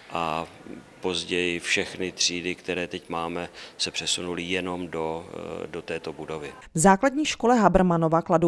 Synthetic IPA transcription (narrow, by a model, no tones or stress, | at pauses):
ʔa | po̞zɟɛjɪfʃɛxnɪt̪r̝̥iːdɪkt̪ɛɾɛːt̪ɛcmaːmɛsɛpr̥ɛsunulɪjɛno̞mdo̞dot̪ɛːt̪o̞budo̞vɪ | vzaːkladɲiːʃkolɛɦabr̩manovakladu